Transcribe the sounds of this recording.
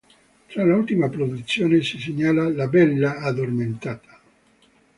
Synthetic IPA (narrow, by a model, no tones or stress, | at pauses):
t̪ɾalault̪imapɾod̪ut̪sːjoːnesiseɲːaːlalabɛlːaad̪ːorment̪aːt̪ʰḁ